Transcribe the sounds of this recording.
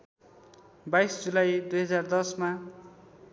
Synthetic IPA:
bajsd͡zulajd̪ujɦʌd͡zard̪ʌsma

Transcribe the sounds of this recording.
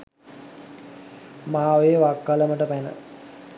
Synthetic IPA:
maːʋejəʋakːaləməʈəpænə̰

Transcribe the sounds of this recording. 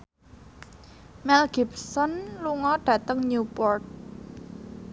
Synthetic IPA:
mɛlɡ̥ipsɔnluŋɔɖ̥ä̤t̪əŋɲupɔrt̪̚

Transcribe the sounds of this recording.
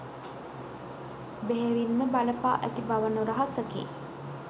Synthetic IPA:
beɦeʋinməbaləpa̰ːʔæt̪ibaʋənuɾɐɦasəkḛː

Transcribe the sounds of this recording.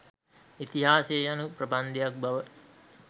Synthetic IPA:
it̪iɦaːseːjanupɾəband̪ejak̚baʋə

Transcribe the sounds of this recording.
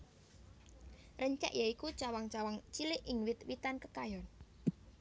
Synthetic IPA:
rəɲt͡ʃa̰ʔjaikut͡ʃawaŋt͡ʃawaŋt͡ʃilɪʔɪŋwɪt̪wit̪ankəkajɔn

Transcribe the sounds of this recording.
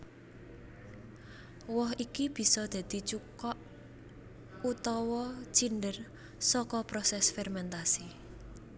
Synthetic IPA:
wɔɦikib̥i̤sɔd̪̥ä̤d̪̥i̤t͡ʃukɔʔ | ut̪ɔwɔt͡ʃinɖər | sɔkɔpɾɔsɛsfɛrmɛnt̪asi

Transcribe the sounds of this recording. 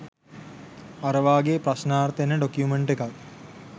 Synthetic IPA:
aɾəʋaːɡeːprasnaːrt̪enəɖokjumeɳʈekak̚

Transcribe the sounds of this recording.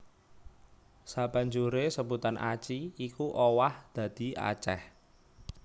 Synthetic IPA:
sab̥ä̤ɲd͡ʒuɾesəbut̪anʔa̰t͡ʃiikuʔowahd̪̥ä̤d̪̥i̤a̰t͡ʃɛ̰h

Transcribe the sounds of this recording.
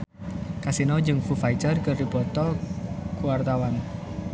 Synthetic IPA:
kasinɔd͡ʒɨŋfufajtərkərdibɔt̪ɔkuwart̪awan

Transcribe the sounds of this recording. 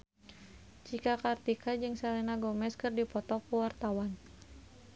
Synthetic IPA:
t͡ʃikakart̪ikʰad͡ʒɨŋsɛlɛnaɡɔmɛskɨrdipɔt̪ɔkuwart̪awan

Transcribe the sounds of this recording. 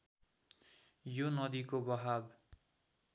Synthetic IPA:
jonʌd̪ikobʌɦab

